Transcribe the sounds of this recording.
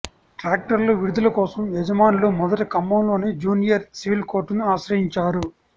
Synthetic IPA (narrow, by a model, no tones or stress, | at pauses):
ʈɾaːk̚ʈɐɾloːʋiɾud̪ulɐkɔːsɐmɛd͡ʒɐmaːnuloːmɔd̪ɐʈikɐmːɐmlo̞ːneːd͡ʒuːnijɐɾsiʋilko̞ːɾʈnuaːʃɾɐjiɲt͡ʃaːɾu